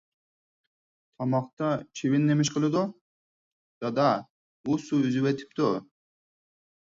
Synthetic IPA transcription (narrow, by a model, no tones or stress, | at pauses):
t̪ʰɑmɑqt̪ɑt͡ʃʰiβinːemiʃ̬qɨlˠud̪o | d̪̥ɑd̪a | busuyzyβet̪ʰi̥p̚t̪o